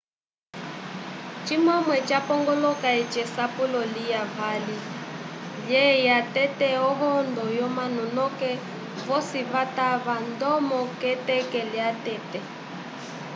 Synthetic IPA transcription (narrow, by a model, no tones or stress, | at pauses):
t͡ʃimɔmwɛt͡ʃapɔŋɡɔlɔkait͡ʃɛsapulɔlijavali | jɛjatɛtɛɔɦɔndɔjɔmanɔnɔkɛ | vɔsiβataβandɔmɔkɛtɛkɛliatɛtɛ